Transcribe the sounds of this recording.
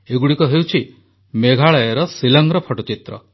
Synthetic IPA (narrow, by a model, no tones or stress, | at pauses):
eɡuɽikɔɦewt͡ʃʰi | meɡʱaɭɔjɔɾɔsilɔŋɡɾɔpʰɔʈɔt͡ʃit̪ɾɔ̰